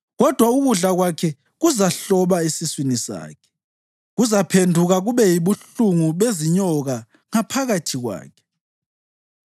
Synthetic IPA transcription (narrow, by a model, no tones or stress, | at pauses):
ɣɔd̥ʱwauɣuɮaɣwakʰɛ | ɣuzaɬɔβaesiswinisa̰ːkʰɛ̥ | ɣuzapʰendʱuɣaɣuβɛjiβuɬuŋuβeziɲɔɣa | ŋapʰaɣatʰiɣwa̰ːkʰɛ̥